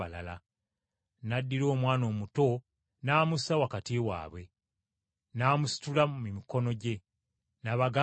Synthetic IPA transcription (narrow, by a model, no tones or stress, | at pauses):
ala̰la | nadːiɾo̞ːmwaːno̞ːmuto̞ | naːmusawakatiwa̰ːβwe̞ | naːmusi̥tulamumiko̞no̞ɟe̞ | naβaɡa